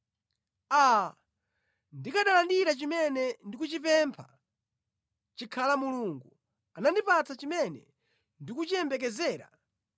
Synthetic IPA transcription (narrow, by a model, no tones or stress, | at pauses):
a | ndikaɗalandiɾat͡ʃimɛnɛndikut͡ʃipɛmpʰa̰ | t͡ʃikʰalamuluːŋɡu | anandipatʰat͡ʃimɛnɛ̰ | ndikut͡ʃiɛmbɛk̬ɛzɛːɾa̰